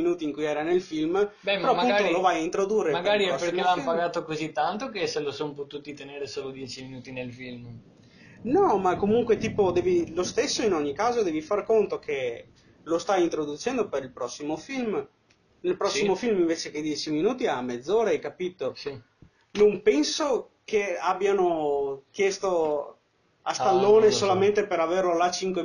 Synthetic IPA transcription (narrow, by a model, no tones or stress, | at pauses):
inuːt̪iːŋkujɛːɾanelfilmɛeɾɔapunolovajaint̪ɾod̪uːrːemaɡaɾiɛɔspeelampaɡaːt̪okozit̪ːant̪okeselosompot̪uːt̪it̪eneːɾesoːlod̪jɛːt͡ʃiminuːt̪inelfilm | nɔmakːomuŋkwet̪iːpod̪ɛːvilost̪esːoinɔɲːikaːzod̪ɛːvifarkont̪ok̟ʰe | lost̪ajint̪ɾod̪ut͡ʃɛnd̪opeɾilpɾɔsːimofilm | nelpɾɔsːimofilmiɱveːt͡ʃeked̪jɛːt͡ʃiminuːt̪iamɛd̪zːoːɾaajkapiːt̪osi | nompɛnsokeabːjanokjɛst̪o | ast̪alːoːnesolament̪epeɾaverlolat͡ʃiŋkwe